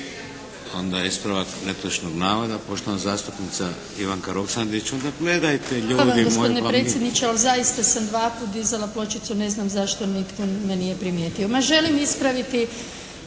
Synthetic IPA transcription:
o̞nd̪ajeispɾaʋaknepoʃnoɡnaːʋod̪apo̞ʃt̪o̞ʋanazaːst̪upnit̪sa | iʋaŋkaɾoksand̪it͡ʃt͡ɕo̞nd̪aɡle̞d̪ajt̪eʎuːdd̪iɡopooinepɾet̪jed̪nit͡ʃealzaist̪asamd̪ʋaːpuːt̪d̪izalaplo̞t͡ʃit̪sune̞znamzaʃt̪o̞nit̪komenije̞pɾimjet̪io̞maʒe̞limispɾaʋit̪i

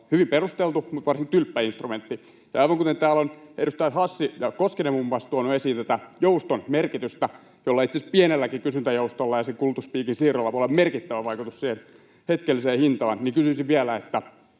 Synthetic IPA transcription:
hyʋimperust̪elt̪umut̪ʋɑrsiŋkt̪ylpːæinst̪rument̪ːi | jɑɑiʋɑŋkut̪ent̪æːlonedust̪ɑjɑhɑsːijɑkoskenemumːɑst̪uonuesiːnt̪æt̪æjoust̪onmerkit̪yst̪æ | jolːɑit̪siespienelːækikysynt̪æjoust̪olːɑjɑsekult̪uspiːkinsiːrolːɑʋolːemerkit̪ːæʋæʋɑikut̪ussiːhen | het̪kelːiseːhint̪ɑːnnikysyisiʋʋiælæet̪ːæ

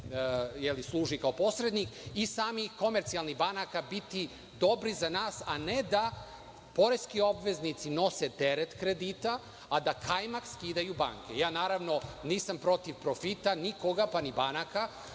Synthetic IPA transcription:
jelislˠuːʒikaopo̞sɾed̪nikisaːmixko̞meɾt̪sialˠniɣbanakabit̪i | d̪o̞bɾizanaːsaned̪a | po̞ɾest̪kio̞bʋe̞znit̪sino̞set̪eɾet̪kɾed̪iːt̪a | ad̪akʰajmakskiːd̪ajuba̰ŋkḛjaːnaːɾaʋno̞niːsampɾo̞t̪iʋpɾo̞fit̪anikoɡapanibanaka

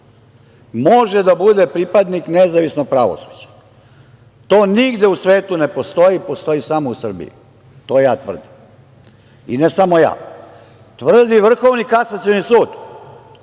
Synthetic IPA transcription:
moʒed̪abud̪epɾipad̪niknezaʋisnoɡ̚pɾaʋo̰su̥d͡ʑḁ | t̪oːniɡd̪eusʋe̞ːt̪une̞po̞st̪o̞jipost̪o̞jisamousr̩bḭjḭ | t̪o̞ːjaːt̪ʋr̩d̪im | inesamo̞ja̰ː | t̪ʋr̩d̪iʋr̩xo̞ʋnikasat̪sionisuːd̪

